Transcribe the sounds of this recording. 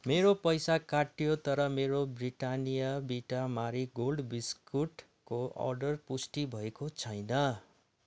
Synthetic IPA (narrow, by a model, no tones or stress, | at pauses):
meɾopʌjsakaʈjot̪ʌɾʌmeɾobriʈanijʌbiʈamaɾiɡolɖbiskuʈ | koʌ̰rɖʌrpusʈibʱʌekot͡sʰʌjnʌ